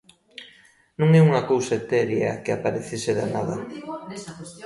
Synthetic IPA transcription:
nũŋeuŋɐkowsaet̪ɛɾja̰keapaɾeθeseðanaðɐ̰

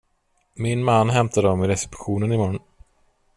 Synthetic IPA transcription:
mɪnmanːɦɛmt̪ʰad̪əɔmɪɾɛsɪ̥pɧuːnənɪmɔɾn

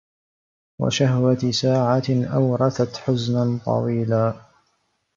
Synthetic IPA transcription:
wa̰ʃahwasaːʕaʔawɾˤɑθat̪ħʊznant̪ˤɑ̰wiːlaː

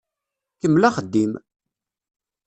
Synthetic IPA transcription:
kəmːlaχəd̪ːim

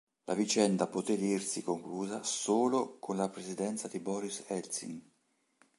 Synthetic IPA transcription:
lʔa̰vit͡ʃɛnd̪apot̪ed̪irsikoŋkluːzasoːlokʰonlapɾezid̪ɛnt̪sad̪ibɔɾisɛlsḭn

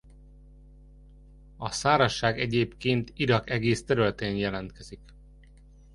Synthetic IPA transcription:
ɒsaːɾɒʃːaːɡɛɟeːpkeːnt̪iɾɒkɛɡeːst̪ɛɾylɛt̪ɛɲjɛlɛnt̪kɛzik

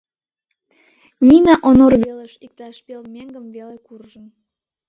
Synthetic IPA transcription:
mʲinɑʔonorβeleʃik̚t̪ɑʃpelmʲeŋɡəmvelekurʒən

